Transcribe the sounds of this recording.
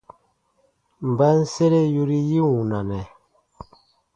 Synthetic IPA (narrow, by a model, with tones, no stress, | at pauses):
m̩˨ba˦n˦se˦ɾe˦ju˦ɾi˦ji˦wuu˨na˨nɛ˨